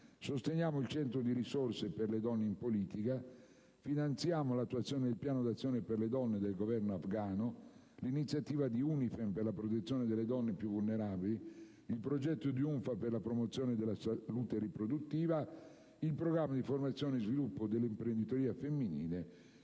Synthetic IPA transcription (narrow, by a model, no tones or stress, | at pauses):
sost̪eɲaːmoilt͡ʃɛnt̪ɾod̪iɾisorseperled̪ɔnːeimpoliːt̪ika | finant̪sjaːmolat̪ːuwat̪sːjoːned̪elpjaːnod̪at̪sːjoːneperled̪ɔnːed̪elɡovɛrnoafɡaːno | linit̪sːjat̪iːvad̪iunifemperlapɾot̪et̪sːjoːned̪eled̪ɔnːepjuvulneɾaːbili | ilpɾod͡ʒɛt̪ːod̪iuɱfaperlapɾomot̪sːjoːned̪elasalut̪eɾipɾod̪ut̪ːiːva | ilpɾoɡɾamːad̪iformat̪sːjoːneizvilupːod̪elːimpɾend̪it̪oɾiːafemːinḭːle